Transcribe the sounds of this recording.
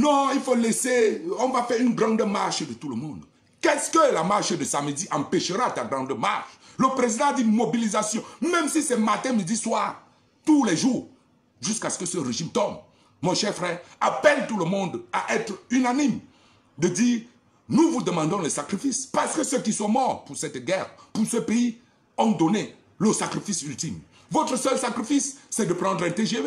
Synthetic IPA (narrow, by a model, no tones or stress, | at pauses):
nɔ̃ilfoleseɔ̃vafɛʁynɡʁɑ̃d̪əmaʁʃd̪ət̪uləmɔ̃d̪ | kɛskəlamaʁʃd̪əsaməd̪iʔɑ̃pɛʃəʁat̪aɡʁɑ̃d̪əmaʁʃləpɾezid̪ɑ̃ad̪imobilizasjɔ̃mɛ̃msisɛmat̪ɛ̃məd̪iswaʁ | t̪ulɛʒuːʁ | ʒyskasə̥kəsəʁeʒimt̪ɔmː | ɔ̃ʃɛʁfʁɛʁapɛlt̪uləmɔ̃d̪aʔɛt̪ʁynanim | d̪əd̪iːʁ | nuvud̪əmɑ̃d̪ɔ̃lɛsakɾifispaʁsə̥kəsəkiswɔ̃mɔʁpuʁsɛt̪ɡɛʁpuʁsəpei | ɔ̃d̪ɔne | ləsakɾifisylt̪im | vɔt̪ʁəsœlsakʁifisːɛd̪əpʁɑ̃nd̪ʁɛ̃t̪eʒe